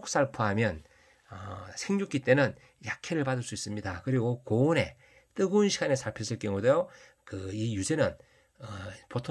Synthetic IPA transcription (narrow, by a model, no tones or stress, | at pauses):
ok̚s͈aɭpʰuɦamjʌn | ʌsʰeŋɲuk͈it͈e̞nɯn | jakʰeɾɯɭpadɯɭs͈uis͈ɯmɲidakɯɾiɡokone̞ | t͈ɯɡɯnɕʰiɡanesʰaɭpʰes͈ʰɯɭk͈jʌŋudejo | kɯijuse̞nɯn | ʌpotʰo